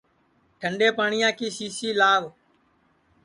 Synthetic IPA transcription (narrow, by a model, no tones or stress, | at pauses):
ʈʰəɳɖeːpaːɳɪjãːkiːsiːsiːlaːʋ